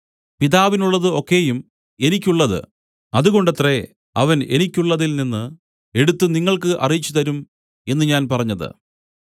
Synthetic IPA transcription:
piðaːʋinuɭːɐðɨo̞kːe̞jum | e̞nikʲːuɭːɐðɨ̰ | ɐðuɣo̞ɳɖɐt̪re̞ | ɐʋɐne̞̰nikʲːuɭːɐðilninːɨ | e̞ɽut̪ːɨniŋːɐɭkɨʔɐ̰rijit͡ɕːut̪ɐɾum | e̞nːɨɲaːnpɐrɐɲːɐðɨ̰

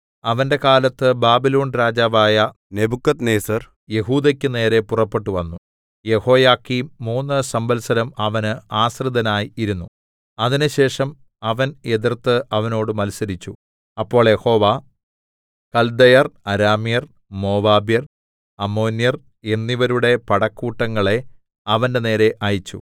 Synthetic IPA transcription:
ɐʋɐnde̞kaːlɐt̪ːɨbaːbiloːnɾaːd͡ʑaːʋaːjɐ | nebukːɐt̪neːsɐr | je̞ɦuːd̪ɐkʲːune̞ːɾe̞purɐpːe̞ʈːuʋɐnːu | je̞ho̞ːjaːkːimːuːnːɨsɐmbɐlsɐɾɐmɐʋɐnɨaːsrɨd̪ɐnaːjiiɾunːu | ɐðinɨɕe̞ːʂɐm | ɐʋɐne̞ðirt̪ːɨɐʋɐno̞ːɽɨmɐlsɐɾit͡ɕːu | ɐpːo̞ːɭjeho̞ːʋa | kɐld̪ɐjɐrɐɾaːmjɐr | mo̞ːʋaːbjɐr | ɐmːo̞ːnjɐr | e̞nːiʋɐɾuɽe̞pɐɽɐkːuːʈːɐŋːɐɭe̞ | ɐʋɐnde̞ne̞ːɾe̞ʔajit͡ɕːṵ

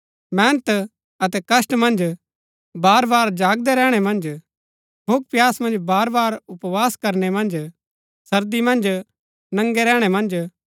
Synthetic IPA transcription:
mɛ̃ːnət̪ | ɐt̪ɛkɐsʈmɐ̃nd͡ʒ | baːɾbaːɾd͡ʒaːɡd̪ɛɾɛːɽ̃ɛmɐ̃nd͡ʒ | bʱʊk̚pjaːsmɐ̃nd͡ʒbaːɾbaːɾʊpʋaːskɐɾnemɐ̃nd͡ʒ | sɐɾd̪imɐ̃nd͡ʒ | nɐ̃ŋɡɛɾɛːɽ̃ɛmɐ̃nd͡ʒ

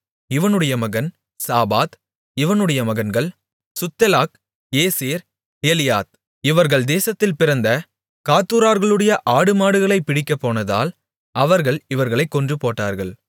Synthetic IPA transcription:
ɪʋɐnɯɽɐjɐmɐɣɐn | saːbaːt̪ | ɪʋɐnɯɽɐjɐmɐɣɐnɡɐɭ | sʊt̪ːɛlaːk | eːseːɾ | eːlɪjaːt̪̚ | ɪʋɐɾɣɐɭd̪eːsɐt̪ːɪlpɪɾɐnd̪ɐ | kaːt̪ːuːɾaːɾɣɐɭɯɽɐjɐʔaːɽɯmaːɽɯɣɐɭɐɪpːɪɽɪkːɐpːoːnɐða̰ːl | ɐʋɐɾɣɐɭɪʋɐɾɣɐɭɐɪkːɔndrɯpoːʈːaːɾɣɐɭ

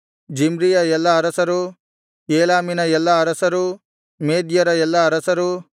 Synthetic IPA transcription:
d͡ʒimɾijɐɛlːɐːɾɐsɐɾu | eːlaːminɐɛlːɐːɾɐsɐɾu | meːd̪jɐɾɐɛlːɐːɾɐsɐɾu

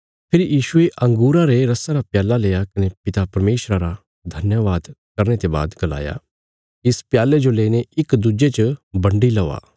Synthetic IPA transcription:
pʰɪɾijiːʃʊeʔɐ̃ŋɡuːɾaɾeɾɐsaɾapjaːlaleːjakɐnepɪt̪apɐɾmeːʃɾaɾa | d̪ʱɐnjəʋaːd̪kɐɾñet̪eba̰ːd̪ɡɐla̰ːja̰ | ɪspjaːled͡ʒoleːneɪkd̪ud͡ʒet͡ʃəbɐ̃ɳɖilɐʋa̰ː

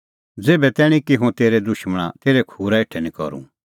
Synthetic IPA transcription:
d͡zeːbɛt̪ɛːɽ̃ĩkiɦũt̪eːɾɛd̪ʊʃmɽ̃a̰t̪eːɾɛkʰuːɾaeʈʰɛnĩkɔ̰ɾṵ̃

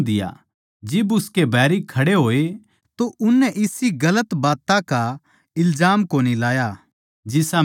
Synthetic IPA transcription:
d̪ɪja̰ | d͡ʒɪbʊskebʱɛːɾikʰɐɽeɦoːe | t̪oʔʊnːɛʔɪsiɡɐlət̪baːt̪ãka | ɪlzaːmkoːnilaːja | d͡ʒɪsa

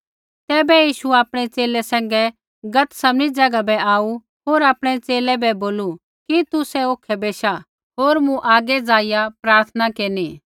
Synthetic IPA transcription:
t̪ɛːbɛjiːʃuaːpɽ̃ɛt͡seːlɛsɛ̃ːŋ̆ɡɛ | ɡɐt̪sɐmnid͡ʒɐɡabɛaːu | ɦoːɾaːpɽ̃ɛt͡seːlɛbɛboːlu | kit̪usɛoːkʰɛbeːʃa | ɦoːɾmũʔaːɡɛd͡zaːɪjapɾaːɾt̪ʰənakeːniː

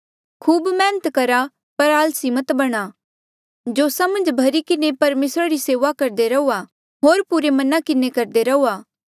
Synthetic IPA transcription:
kʰuːbmɛ̃ːnət̪kɐɾa | pɐɾaːlsimət̪bɐɽ̃a | d͡ʒoːsamɐ̃nd͡ʒbʱɐɾikɪnepɐɾmeːsɾaɾiseːʋakɐɾd̪eɾɐuːa | ɦoːɾpuɾemɐnakɪnekɐɾd̪eɾɐuːaː

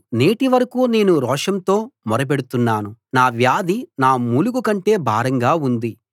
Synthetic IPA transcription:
ne̞ːʈiʋɐɾɐkuːne̞ːnuɾɔːʂɐnt̪o̞ːmɔɾɐp̬eɽut̪unːaːnunaːʋjaːd̪inaːmuːlukukɐɳʈe̞ːbʱaːɾɐŋɡaːund̪i

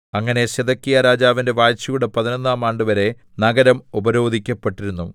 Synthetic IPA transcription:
ɐŋːɐne̞ɕeðɐkːijɐɾaːd͡ʑaːʋinde̞ʋaːjt͡ɕːujuɽepɐðinonːaːmaːɳɖɨʋɐɾe̞ | nɐɡɐɾɐmubɐɾo̞ːd̪ʱikʲːɐpːeʈːiɾunːu

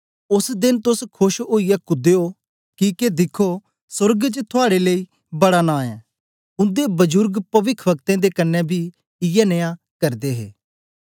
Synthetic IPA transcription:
ʊsd̪ɪnt̪ʊskʰʊʃoːijɛkʊd̪eo | kiːked̪ɪkʰo | sʊɾɡt͡ʃt̪ʰʊaːɽelei | bɐɽanaːɛ̃ː | ʊ̃nd̪ebɐd͡ʒʊɾɡpɐʋɪkʰbək̚t̪ẽd̪ekɐnːɛbʱiː | ɪjɛneja | kɐɾd̪eːɦḛː

